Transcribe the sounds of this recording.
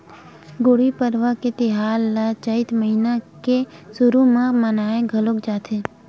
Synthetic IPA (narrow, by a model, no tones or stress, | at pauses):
ɡoːɽipəɾʋaket̪eɦaːlːat͡ʃəit̪məɦinakesʊɾumãmənaːẽɡʱəlokd͡ʒaːt̪ʰeː